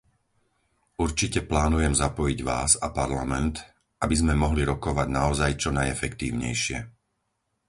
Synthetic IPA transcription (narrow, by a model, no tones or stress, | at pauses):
uɾt͡ʃicɛplaːnujɛmzapɔjiɟʋaːzapaɾlamɛnt̪ | abizmɛmɔɦliɾɔkɔʋaɟnaɔzajt͡ʃɔnajɛfɛkt̪ḭːʊɲɛ̰jʃɪɛ